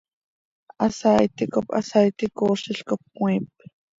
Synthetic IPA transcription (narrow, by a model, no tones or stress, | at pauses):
ʔɑsajt̪ikopɑ̰sajt̪ikoːʃɪɬkop̚kwʷiːp̚